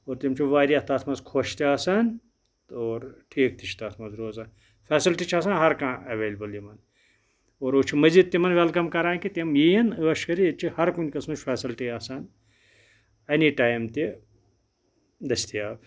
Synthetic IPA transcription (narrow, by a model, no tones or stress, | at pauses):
oːɾt̪imt͡ʃʰiʋaːɾijat̪aːt̪ʰmɐːzkʰoʃt̪iaːsaːn | t̪oːɾʈʰiːk̚t̪it͡ʃʰt̪aːt̪ʰmɐːzɾoːzaːn | fɛːsilʈit͡ʃʰaːs̬ãːnɦɐɾkãːʔɐʋeːlʲbɐlimɐn | oːɾoːt͡ʃʰimɐzid̪̚t̪imɐnʋelkɐmkɐɾaːnkit̪imjijɐnɨɐʃkɐɾit͡ʃʰihɐɾkunʲkɐsmut͡ʃfaːsilʈiaːsaːn | ɐniʈaːjmt̪i | d̪ɐst̪ijaːb